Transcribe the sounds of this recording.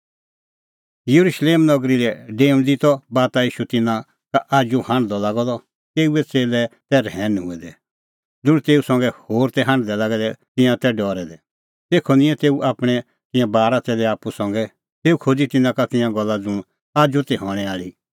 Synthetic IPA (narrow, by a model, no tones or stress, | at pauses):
jɐɾuʃleːmnɔɡɾilɛɖeːmd̪it̪ɔbaːt̪aiːʃut̪ɪnã | kaʔaːd͡ʒuhãɳɖd̪ɔlaːɡɔd̪ɔ | t̪eːuɛt͡seːlɛt̪ɛɾɦɛːnɦʊɛd̪ɛ | d͡zʊ̃ɽ̃t̪eːusɔ̃ŋɡɛhoːɾt̪ɛɦãɳd̪ɛlaɡɛd̪ɛt̪ɪ̃jãt̪ɛɖɔːɾɛd̪ɛ | t̪eːkʰɔnɪ̃jɛ̃t̪eːuʔaːpɽ̃ɛ | t̪ɪ̃jãbaːɾat͡seːlɛaːpːusɔ̃ŋɡɛ | t̪eːukʰod͡zit̪ɪnãkat̪ɪ̃jãɡɔlːad͡zʊ̃ɽ̃ | aːd͡ʒut̪ɛɦɔːɽ̃ɛaːli